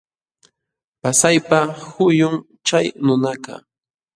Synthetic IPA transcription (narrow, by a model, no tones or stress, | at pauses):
pasajpaxʊjʊŋ | t͡ʃajnʊnakɑ̰